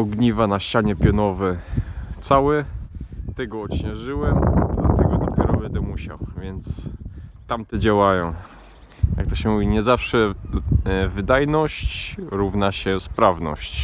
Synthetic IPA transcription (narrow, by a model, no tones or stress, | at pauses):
ɔɡɲivanaɕt͡ɕaɲɛpʲjɔnɔvɛt̪sawɛ | t̪ɛɡɔɔɕɲɛʐɘwɛma̰t̪ɛɡɔd̪ɔpʲjɛɾɔvɛd̪ɔmuɕa̰wvʲjɛnt̪st̪amt̪ɛd͡ʑawajɔ̃w̃ | ja̰k̚t̪ɔɕɛmuvʲiɲɛzafʂɛ | vɘd̪ajnɔɕt͡ɕɾuvnaɕɛspɾavnɔ̰ɕt͡ɕ